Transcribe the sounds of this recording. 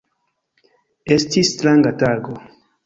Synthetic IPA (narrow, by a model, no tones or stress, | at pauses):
estistɾaŋɡataɡo